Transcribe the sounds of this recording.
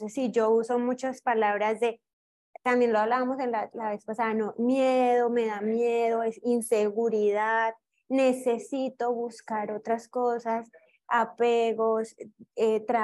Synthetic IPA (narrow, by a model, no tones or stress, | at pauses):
sesːid͡ʒo̞uso̞mut͡ʃaspalaβɾazd̪e̞ | t̪ambje̞nloaβlaβamo̞se̞nlalaβe̞spasaðano̞mjeðo̞me̞ðamjeð̞o̞esinse̞ɣuɾiðað | ne̞se̞sit̪o̞βuskaɾo̞t̪ɾasko̞sas | ape̞ɣo̞set̪ɾa